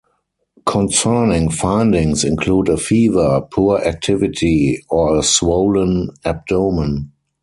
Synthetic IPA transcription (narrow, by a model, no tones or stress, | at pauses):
kʰɔ̃nsɜ˞nɪ̃ŋfãɪ̃ndɪ̃ŋsɪ̃nkʰluːdəfiːvə˞pʰuːʔæk̚tʰɪvɪtʰiɔəswoʊlə̃næp̚doʊmə̃n